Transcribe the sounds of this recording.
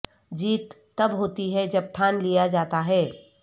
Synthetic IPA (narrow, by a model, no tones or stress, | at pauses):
d͡ʒiːt̪ːɐbɦoːt̪iɦɛd͡ʒɐb̚t̪ʰaːnlijad͡ʒaːt̪aɦɛː